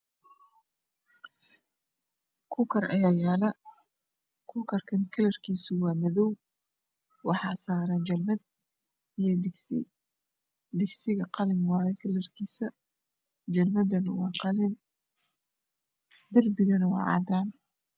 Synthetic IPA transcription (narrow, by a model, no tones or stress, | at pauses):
kʰʊːkʰɐrɐ̰jaːjaːlɐ | kʰʊːkʰɐrkʰɐŋkʰɐlɐrkʰiːsʊwɑːmɐðɔw | wɑħɑːsaːɾand͡ʒɐlmɐd̪̚ | ɪj | d̪ɪɡsɪɣɐqɑlɪnwɑːɛkʰɐlɐrkʰiːsɐ | d͡ʒɐlmɐd̪ɐnwɑːqɑlɪn | d̪ɐrbɪɣɐnɐwɑ̰ːʕɑ̰ːd̪aːn